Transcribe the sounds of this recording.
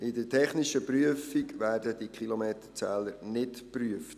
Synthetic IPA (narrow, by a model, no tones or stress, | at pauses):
ɪdətʰɛχnɪʃəpɾyəfiɡʋæːɾdədikχilomeːtət͡sɛːləɾnɪtpryəft